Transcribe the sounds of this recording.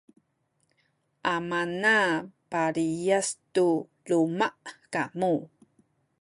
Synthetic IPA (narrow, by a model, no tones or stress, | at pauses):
ʔamanapaɾijastu | lumaʔkamu